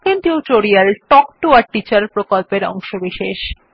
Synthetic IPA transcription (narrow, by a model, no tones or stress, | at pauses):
kent̪iuwʈoɾialʈɔkʈuaɾʈit͡ɕaɾpɾokolpeɾɔ̰ŋʃobiʃeʃ